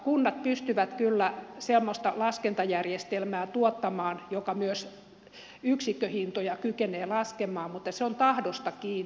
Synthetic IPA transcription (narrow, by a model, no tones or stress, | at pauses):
kunːɑt̪̚pyst̪yʋæt̪kylːæsemːost̪ɑlɑskent̪ɑjærjest̪elmæːt̪uot̪ːɑmɑːnjokɑmyøs | yksikːøhint̪ojɑkykeneːlɑskemɑːmmut̪ːɑseont̪ɑhdost̪ɑkiːn